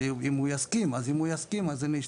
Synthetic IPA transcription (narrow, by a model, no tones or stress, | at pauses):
imujaskimazimujaskimaziniʃ